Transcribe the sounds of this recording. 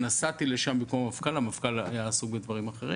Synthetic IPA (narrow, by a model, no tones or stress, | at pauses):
nasat̪ileʃambikommafkalamafkala̰jaːsuɡbed̪vaʁimaχe̞ʁḭ